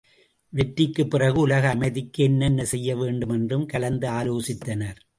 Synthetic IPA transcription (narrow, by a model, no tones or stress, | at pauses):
ʋɛʈːɪkːɯpːɪrɐɣɯʊlɐɣɐːmɐɪðɪkːɯɛnːɐnːɐsɛjːɐʋeːɳɖɯmɛndrɯmkɐlɐnd̪ɯaːloːsɪt̪ːɐnɐɾ